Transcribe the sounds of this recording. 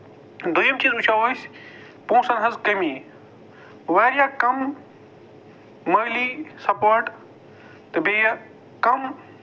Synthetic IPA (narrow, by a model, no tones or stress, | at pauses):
d̪ujɐmt͡ʃiːzut͡ʃʰaːʋɐsʲ | põːsɐnɦɐzkɐmi | ʋaːɾjaːkɐm | ɐːlisɐpoːɾʈ | t̪ɨbejɐ | kɐm